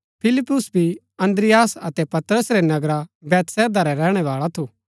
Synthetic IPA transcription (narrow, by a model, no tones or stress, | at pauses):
pʰɪlɪpːʊsbʱi | ɐ̃nd̪ɾɪjaːsɐt̪ɛpɐt̪ɾəsɾenɐɡɾabɛːt̪sɛːd̪aɾɛɾɛːɽ̃ɛʋaːɭat̪ʰu